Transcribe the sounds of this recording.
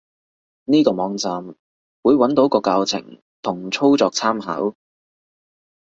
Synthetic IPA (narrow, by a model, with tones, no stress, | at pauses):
niː˥kɔː˧mɔː˨˧ŋt͡saː˨m | wuː˨˧jwɐ˨˥nt̪o˨˥wkɔː˧kaː˧wt͡sʰɪ̰˨˩ŋ | t̪ʰʊ˨˩ŋt͡sʰo˥wt͡sɔː˧k̚t͡sʰaː˥mɦa̰ː˨˥w